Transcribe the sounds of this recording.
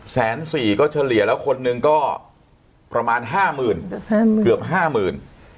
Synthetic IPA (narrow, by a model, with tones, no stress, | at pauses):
sɛː˩˦nsiː˨˩kɔː˥˩t͡ɕʰa˧li˨˩˦ɐlɛː˦˥wkʰo˧nːɯ˧ŋkɔː˥˩ | pɾa˧maː˧nɦaː˥˩mɯː˨˩n˥kɯ˨˩əp̚ɦaː˥˩mɯː˨˩n